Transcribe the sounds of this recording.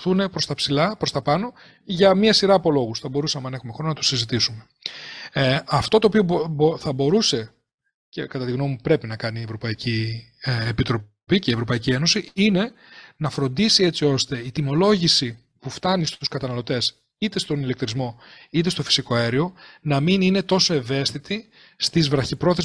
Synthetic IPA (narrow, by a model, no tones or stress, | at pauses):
θune̞pɾo̞st̪ɐpsilɐpɾo̞st̪ɐpɐno̞ | ʝɐmiɐsiɾɐːpo̞lo̞ɣusθɐbo̞ɾusɐmenɐe̞xumexo̞nonɐt̪o̥sizit̪isume̞ | ɐft̪o̞t̪oːpio̞bθɐbo̞ɾuse̞ | ce̞kɐt̪ɐt̪iɣno̞mipɾe̞pinɐkɐnievɾo̞pɐici | epit̪ɾo̞ | piceievɾo̞pɐicie̞no̞siine̞ | nɐfɾo̞nd̪isie̞t͡sio̞st̪e̞it̪imo̞lo̞ʝisi | puft̪ɐnist̪uskɐt̪ɐnɐlo̞t̪e̞s | it̪e̞st̪o̞nile̞k̚t̪ɾizmo̞it̪e̞st̪o̞fi̥siko̞eɾio̞nɐminine̞t̪o̞so̞e̞ve̞st̪it̪i | st̪izvɾɐçipɾo̞θez